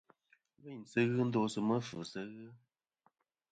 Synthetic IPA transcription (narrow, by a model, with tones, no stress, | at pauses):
wə˦˨n˨sə˦ɣɨ˦n̩˦do˧˦sɨ˧mə˦fɨ˨sə˦ɣɨ˦